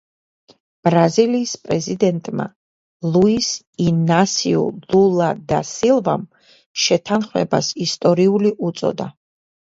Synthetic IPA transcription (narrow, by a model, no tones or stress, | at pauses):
b̥ɾaziliːspʼɾɛzid̪ɛnt̪ʼma̰ | lˠuis | inasiṵlulˠad̪asilˠvam | ʃɛt̪ʰanχmɛ̰basist̪ʼɔɾiuliʔut̪sʼɔ̰d̪a